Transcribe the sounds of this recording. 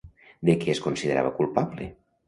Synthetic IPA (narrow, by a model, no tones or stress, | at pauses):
d̪ekɛeskonsiðeɾa̰βəkulˠpablḛ